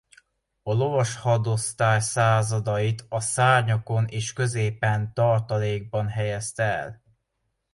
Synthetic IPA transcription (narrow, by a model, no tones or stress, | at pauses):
ɒlo̞vɒʃhɒd̪o̞st̪aːjsaːzɒd̪ɒjit̪ɒsaːrɲɒko̞neːʃkø̞zeːpɛnt̪ɒrt̪ɒleːɡ̚bɒnɦɛjɛst̪ɛɛ̰l